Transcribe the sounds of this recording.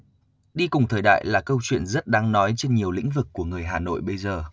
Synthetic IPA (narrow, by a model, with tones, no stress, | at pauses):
ɗi˧kʊ˨˩ŋ͡mt̪ʰəː˨˩jɗa̰ː˧˨jlaː˨˩kə˧wt͡ɕwḭ˧˨ənzə˦˥t̚ɗaː˧ŋnɔ˨˦jt͡ɕe˧nɲi˨˩əwlḭ̈˧˥ŋ̟vɨ˨˩kːu˧˩əŋɨ˨˩əjɦaː˨˩no̰˧˨jɓə˧jzəː˨˩